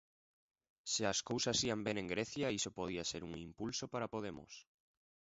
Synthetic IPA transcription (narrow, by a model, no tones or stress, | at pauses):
seaskowsasiambenẽŋɡɾeθjaisopoð̞iaseɾuŋimpulsopaɾapoð̞emʊ̰s